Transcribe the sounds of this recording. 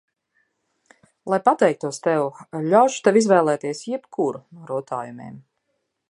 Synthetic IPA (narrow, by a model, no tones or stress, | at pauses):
lˠajpat̪ɛjk̚t̪uɔst̪ɛwʎʲawʃu̥t̪ɛvizvɛːlˠɛːt̪iɛsjɛpkʰuɾuɾut̪a̰ːjumḛːm